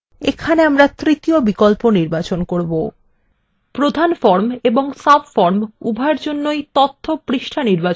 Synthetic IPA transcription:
ekʰaneamɾat̪ɾit̪iobikɔlponiɾbat͡ɕonkoɾbo | pɾod̪ʱanfɔɾmeboŋsabfɔɾmubʱaeɾd͡ʑonːojt̪ɔt̪ʰːopɾiʃʈʰaniɾbat͡ɕ

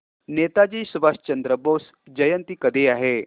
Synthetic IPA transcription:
net̪ad͡ʑiːsuʋast͡ɕənd̪ɾəbos | d͡ʑəjənt̪iːkəd̪eːaɦe

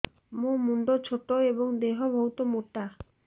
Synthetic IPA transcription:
mũmuɳɖot͡ʃʰoʈ̪oebɔŋd̪eɦɔbʱɔɦut̪ɔmoʈa

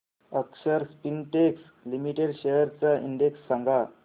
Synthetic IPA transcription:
əksəɾspinʈeks | limiʈeɽɕejəɾt͡saʔiɳɖeksːaŋɡʱa

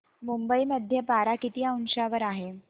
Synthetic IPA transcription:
mumbəiməd̪ʱːjəpaɾakit̪ijaunɕaʋəɾaɦe

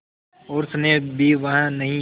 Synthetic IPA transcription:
oːɾsɐnebʱiʋɐɦãnɐɦĩ

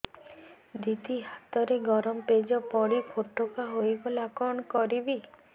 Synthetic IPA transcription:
d̪it̪iɦat̪ɔɾeɡɔɾɔmped͡ʒɔpɔɽipʰoʈːokaɦojbɔlakɔɳɔkɔɾibi

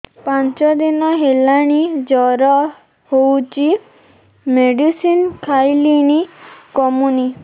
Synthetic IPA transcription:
pant͡ʃɔd̪inɔɦelaɽ̃id͡ʒɔɾɔ | howt͡ʃi | meɖisinkʰajliñikɔmuni

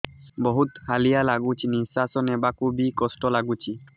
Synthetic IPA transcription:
bɔɦut̪halijalaɡut͡ʃʰinisasɔnɛbakubikɔsʈɔlaɡut͡ʃʰi

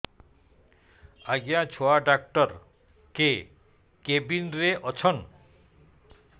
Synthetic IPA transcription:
aɡejat͡ɕʰoaɖak̚ʈɔɾ | ke | kebinɾeʔɔt͡ɕʰɔn

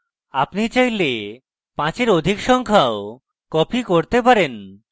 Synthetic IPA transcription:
apnit͡ɕajle | pãt͡ɕeɾod̪ʱikʃɔŋkʰao | kɔpʰikoɾt̪epaɾen

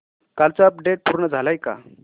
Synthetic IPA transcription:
kalt͡saːpɖeʈ̚pʰuɾnad͡zʱalajka̰

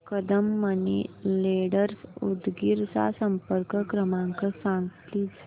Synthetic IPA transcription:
kəd̪əmːənileɽəɾsud̪ɡiɾsa̰səmpəɾkəkɾəmãŋkəsãŋɡt̪lid͡z

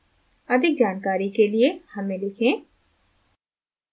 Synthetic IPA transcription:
ɐd̪ʱɪk̚d͡ʒaːnkaːɾikeliehɐmẽlɪkʰẽː

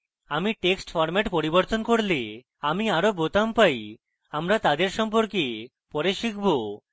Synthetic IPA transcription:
amiʈeksʈfʰɔɾmɛʈpoɾibɔɾt̪onkoɾle | amiaɾobot̪ampaj | amɾat̪ad̪eɾʃɔmp̬oɾke | pɔɾeʃikʰbo

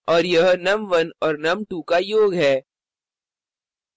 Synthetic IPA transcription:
ɔːɾjɐɦnɐmʋɐnɔːɾnɐmʈuːkajoːɡɦɛː

